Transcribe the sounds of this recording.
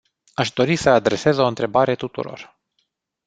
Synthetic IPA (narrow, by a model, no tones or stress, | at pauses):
aʃd̪o̞ɾisəad̪ɾe̞se̞zo̞ɨnt̪ɾe̞baɾe̞t̪ut̪ṵɾo̞̰r